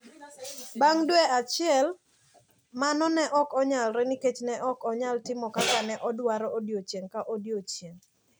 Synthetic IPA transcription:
baŋdwɛat͡ʃɪɛl | manɔnɛʔɔkɔɲalɾeniket͡ʃnɛʔɔkɔɲaltɪmɔkakanɛʔɔdwaɾɔodjot͡ʃjeŋkaʔodjot͡ʃjeŋ

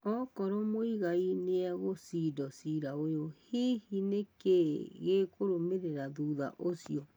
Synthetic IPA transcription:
ɔkɔɾɔmoiɣaineaɣosidɔsiɾaojohihinekeɣekoɾomeɾeɾaðuːða̰ʔosjɔ

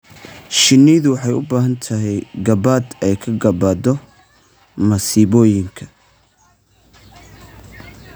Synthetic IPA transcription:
ʃɪniːðʊwɑħɑjʊ̰baːɦɐnt̪ʰɐɦɛjɡɐbaːd̪ɛjkʰɐɡɐbaːd̪ɔ | mɐsiːβɔːjɪŋkʰɐ̥

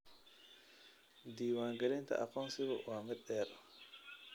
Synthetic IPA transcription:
d̪iːwaːŋɡɐlɪnt̪ʰɐ̰ʔɐqɔːnsɪβʊwaːmɪd̪̚ɛːɾ

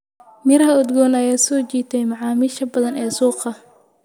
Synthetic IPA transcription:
mɪɾɐɦɐʊd̪ɡɔːnɐjaːsɔːt͡ʃiːt̪ʰɛjmɑʕɑːmɪʃɐbɐðɐnɛːsuːqɐ

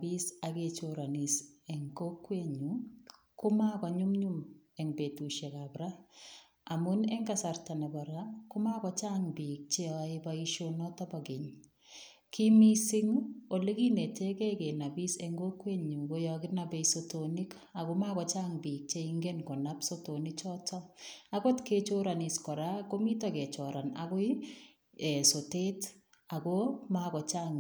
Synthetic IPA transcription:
bisaket͡ʃoɾanisɛŋkokːweɲu | kʊmakaɲumɲumɛŋbetuʃekabɾa | amunɛŋɡasartanabaɾakʊmakɔt͡ʃaŋbik̚t͡ʃeaebaiʃonɔtabaɡeɲ | kimisiŋoleɡinetekɛkenabiseŋɡokweɲuŋɡojɔkɪnabesotonik | akomakɔt͡ʃaŋbik̚t͡ʃeiŋɡenkɔnapsotonɪt͡ʃɔtɔaɡɔtket͡ʃoɾaniskɔɾakomitakɛt͡ʃɔɾana̰ɡʊi | ɛsotet | aɡomakɔt͡ʃaŋ

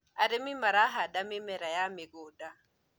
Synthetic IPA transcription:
aɾɪmɪmaɾaɦadamɪmɛɾajamɪɡɔːda

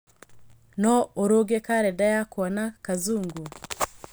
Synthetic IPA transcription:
nɔoɾoɡekaɾɛdajakwɔnakazuːŋɡu

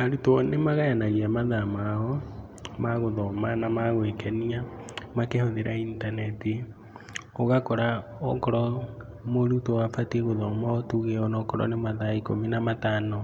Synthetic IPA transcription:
aɾutɔnemaɣajanaɣiamaðamaɔ | maɣoðɔmanamaɣwekɛniamakehoðeɾaintanɛti | oɣakɔɾaɔkɔɾɔ | moɾutowafatiɣoðɔmatuɣeɔnɔkɔɾɔ̰nemaðaiko̰minamataːno

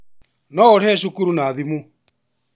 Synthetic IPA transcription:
nɔoɾɛʃukuɾunaːðimu

